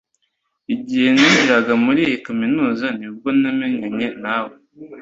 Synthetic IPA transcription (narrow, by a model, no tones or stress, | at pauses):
iɟihe̞niːɲɟiɾaɡamuɾijikaminuːzanib̚ɡonameɲaɲenawo